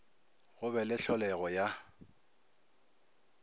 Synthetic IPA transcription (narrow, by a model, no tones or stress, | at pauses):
ɣʊbɛlɪɬɔlɛɣɔja